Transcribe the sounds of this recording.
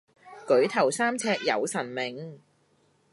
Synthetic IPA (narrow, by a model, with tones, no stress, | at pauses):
kɵ˨˥ɥt̪ʰɐ˨˩wsaː˥mt͡sʰɛː˧k̚jɐ̰˨˧wsɐ˨˩nmɪ˨ŋ